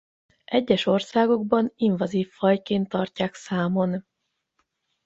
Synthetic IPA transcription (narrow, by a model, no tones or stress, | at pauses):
ʔɛɟːɛʃo̞rsaːɡo̞ɡbɒniɱvɒziːfːɒjkeːnt̪ːɒrcaːksaːmo̞n